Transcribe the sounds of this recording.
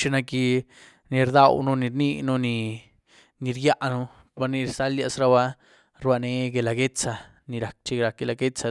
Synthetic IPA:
t͡ʃi˧na˧ki˧ | ni˧ɾd̪a˧wnu˧ni˧ɾni˧nu˧ni˧ | ni˧ɾja˦ʔnu˧ | ba˧ɾni˧ɾsa˦lja˧sɾa˧βa˧ | ɾba˧ne˧˦ɡe˧la˧ɡe˦t͡sa˧ | ni˧ɾa˨˧k̚t͡ʃi˧ɾa˨˧k̚ɡe˧la˧ɡe˦t͡sa˧

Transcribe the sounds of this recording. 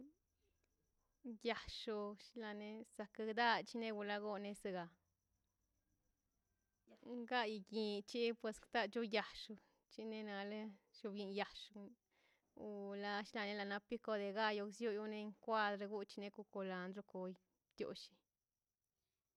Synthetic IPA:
ja˨ʂu˧ʃi˧la˧ne˧sa˧ka˧ɡd̪a˦t͡ʃi˦ne˦˧ɡu˧la˦ɡo˧ne˧se˧ɡa˨ | ŋɡa˦ji˧ɡi˧t͡ʃi˦pwe˧skt̪a˦t͡ʃu˦ja˨ʂu˧ | t͡ʃi˦ne˧na˧le˦ʃu˧bji˧nja˨ʃu˧ | u˧la˦ʃla˧ne˧˦la˧˨na˧pi˦ko˧d̪e˨˧ɡa˦jo˧ksju˦ju˧ne˧˦ŋkʷa˦d̪ɾa˧ɡu˦t͡ʃi˧ne˧ku˧ko˧la˧nd̪ɾu˧ko˧j | t̪jo̰˨ʃi̥˧

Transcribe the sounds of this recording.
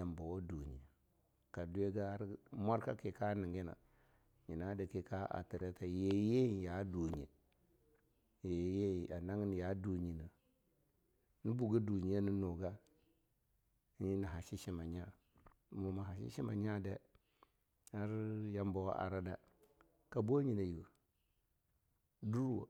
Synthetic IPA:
ja˨mba˨wo˦du˨ɲi˨ja˨ | ka˨du˦e˦ɡa˦a˦ɾma˦ɾka˦ki˨ka˦ni˨ŋɡi˦na̰˨ | ɲi˨na˦de˨ki˨ka˦ʔa̰˨ti˨ɾe˦ta˨je˨je˦˨ja˨˦du˨ɲi˨ | je˨je˦˨a˨na˦ŋi˦n˨ja˨˦du˨ɲi˨nə˨ | ni˦bu˨ɡa˦du˨ɲi˨ja˦ni˦nu˨ɡa˦ | ɲi˦na˨ɦa˨ʃi˦ʃi˦ma˨ɲa˦ | mu˨ma˨ɦa˨ʃḭ˦ʃi˦ma̰˨ɲ˦a˦de˦ | a˦ɾja˦mbo˦w̰a̰˨ɾa˦da˨ | ka˨bo˦ɲi˨na˨ju˨ | du˦ɾwo˨

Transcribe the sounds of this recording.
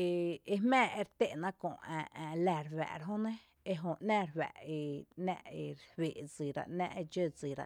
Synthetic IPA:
e˧e˧mɛ̃ː˦˨e˧ɾt̪e˦ʔnã˦kõ̰˨ãː˨læ˧˨ɾwɛ̰˨ɾɦõ˦nẽ˦ | e˧ɦõ˧ʔnãː˦ɾwæ̰˨ʔe˧næ̰̃˦ʔe˧ɾhwe˨d͡zi˨ɾa̰˧˨ʔnã̰˦ʔe˧d͡ʒə˦˧d͡zi˨ɾa̰˨

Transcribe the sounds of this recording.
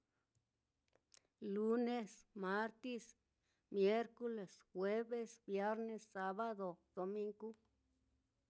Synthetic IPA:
lu˦ne˦˧sma˦ɾt̪i˦s | mje˦ɾko˦le˨sxwe˦βe˦˧sbje˦ɾne˧sːa˦βa˦d̪o˨d̪̥o˨mi˦ŋɡu˦

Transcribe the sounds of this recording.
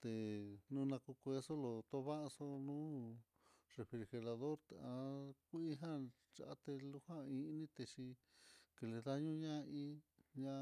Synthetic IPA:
t̪e˨nũ˦nã˧ku˧kʷe˧so˦lo˨t̪o˦βa˦ʔso˧nũː˦ | re˨fɾi˧ɾxe˧ɾa˧ðo˦ɾt̪e˧ã˧ku˦i˦ɦã˦ | t͡ʃa̰˨a˦t̪e˧lu˧hã˦˧ĩ˧˦nĩ˦t̪e˧t͡ʃi˧ | ke˧le˧ða˦ɲũ˦ɲã˦˧ĩ˦ɲã˧

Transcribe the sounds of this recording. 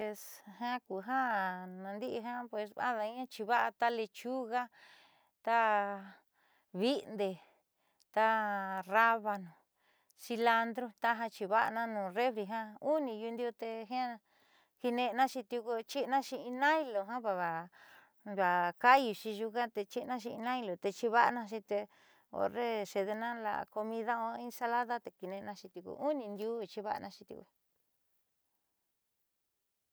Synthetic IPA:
e˧shã˦ku˨ɦã˦nã˧nd̪i˦ʔi˧ɦã˦pwe˧sã̰˦ða˧ĩ˦ã˦t͡ʃi˧βa˦ʔa˧t̪a˦le˧t͡ʃu˦ɣa˦ | t̪a˦ | βi˦nd̪e˨ | t̪a˦ra˦βa˧nũ˨ | si˧la˧nd̪ɾo˦t̪a˦ɦa˧t͡ʃi˧βa˦ʔa˧nã˦nũː˨re˦βɾi˧ɦã˦u˦nĩ˧ju˧nd̪i˧o˧t̪e˧ɦã˦˧ | ki˧nẽ˧nã˦t͡ʃi˧t̪ju˧ku˧t͡ʃi˦ʔnã˦ʃi˧ĩ˧nã˦i˧lo˨ɦã˦βa˧βa˨ | βa˨ka˦ju˧t͡ʃi˧ʒu˧ka˦t̪e˧t͡ʃi˦˧nã˦ʃi˧ĩ˧nã˦i˧lo˨t̪e˧t͡ʃi˧βa˦ʔnã˧ʃĩ˧t̪e˧ | o̰˧re˦ʃe˧ðe˧nã˦la̰˧ko˧mĩ˧ða˦õ˧˦ĩ˧sa˧la˦ða˦t̪e˨ki˧nẽ˧nã˧t͡ʃi˧t̪u˧kṵ˧ʔu˦nĩ˧nd̪u˦˧t͡ʃi˧βa̰˦˧nʔã˧˦˧ʃi˧t̪jṵ˧k

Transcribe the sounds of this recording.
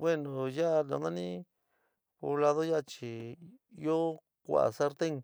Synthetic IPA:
βe˦nõ˨ja˦˧nã˧˦ðã˦nĩ˦ | po˧βla˧ðo˦ja˦˧t͡ʃi˨˦ | o˦ | kʷa̰˨ʔa̰˨sa˦ɾt̪e˦ŋ

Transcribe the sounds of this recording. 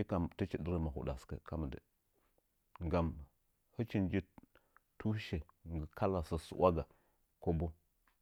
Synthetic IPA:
i˦ka˨mtə˦t͡ʃi˦də˦ɾə˦ma˨ɦṵ˨da̰˨skə̰˨ka˦mə˨də̰˨ | ŋɡa˨m | hə˦t͡ʃi˦nd͡ʒi˦tu˦ʃe˨ | ŋɡə˨kʰa˦la˨sə˨sṵ˨wa˦ɡa˨ | ko˦bo˦

